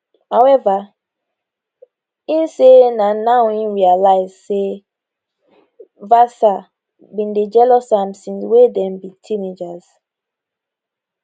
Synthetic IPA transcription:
hawɛva | ĩnsenanawĩnɹialaɪzse | vasa | bĩnded͡ʒɛlɔsãmsĩnswedɛ̃mbitʰĩned͡ʒaz̥

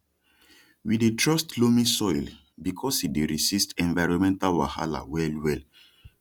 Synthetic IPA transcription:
widetʰɹɔstlomĩsɔjl | bikʰɔsideɹisistɛ̃nvaɪɹɔ̃nmɛ̃ntalwa̰ha̰la̰wɛlwɛl

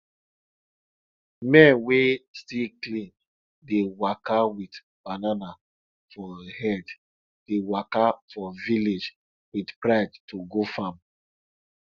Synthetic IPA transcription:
mɛ̃nwestiklĩn | dewakawit | b̥anana | fɔhɛd | d̥ewakafɔviled͡ʒ | witpɹaɪdtoɡofãm

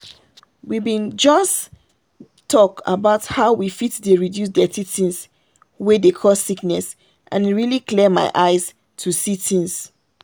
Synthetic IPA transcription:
wibĩnd͡ʒɔs | tʰɔka̰baʊthaʊwifitdeɹidjus̬dɛtitĩns | wedekʰɔssiknɛs | ʔã̰nɹiliklɛma̰ɪʔaɪs | tʰusitĩŋs

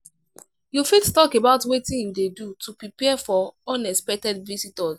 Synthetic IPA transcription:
jufettɔkebaʊtwetĩjudedutupɹipɛfɔɔ̃nɛkspɛk̚tɛdvisitɔs

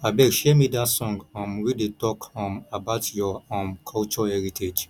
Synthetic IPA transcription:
abɛʃɛmidatsɔ̃ŋɡɔ̃mwidetɔkɔ̃mabaʊtjɔɔ̃mkʰɔlt͡ʃɔɛɹitʰed͡ʒ

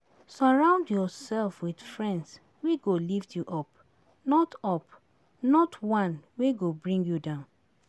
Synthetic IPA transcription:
sɔɹãʊ̃ndjɔsɛlfwid̥fɹɛ̃nds | weɡoliftʰjuʔɔp | nɔtɔp | nɔtwãnweɡobɹĩŋɡjudãʊ̃n

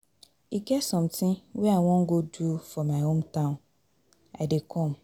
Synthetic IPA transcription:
iɡɛsɔ̃mtʰɪ̃wɛawɔ̃ŋ̩ɡodufɔmãɪhõmtʰãʊ̃n | a̰dɪkʰɔ̃m

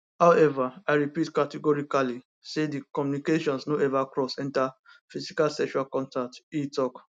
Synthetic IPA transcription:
haʊɛvaaɪɹipitkatɛɡɔɹikali | sedikɔmjunikeʃɔ̃nsnoɛvakɹɔsɛ̃nta | fisikalsɛkʃuɾalkɔ̃ntak̚titɔk

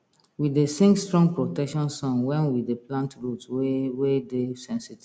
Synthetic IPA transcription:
widesĩŋstɹɔ̃ŋɡpɹotɛkʃɔ̃nsɔ̃nwɛ̃nwidepʰlãntɹutwwedesɛ̃nsit

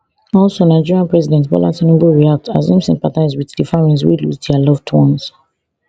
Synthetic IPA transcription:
ɔlˠsonaɪd͡ʒiɹiãnpɹɛzidɛ̃ntbɔ̰la̰tɔ̃nĩbuɹiak̚tʰa̰zĩmsɛ̃mpataɪzwiðdifaɹĩns̬wḭlṵzdialɔvdwɔ̃ns

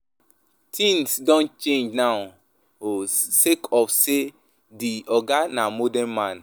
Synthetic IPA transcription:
tʰĩnsdɔ̃nt͡ʃẽnd͡ʒnaʊ | osekʰɔfse | diɔɡanamodɛ̃nmãn

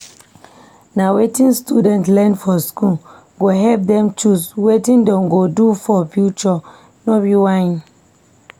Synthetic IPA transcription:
nawetĩnstudɛ̃ntlɛ̃nfɔskul | ɡoɦɛlp̚dɛ̃mt͡ʃuswetĩndɔ̃nɡodufɔfjut͡ʃɔ | nɔbiwãn

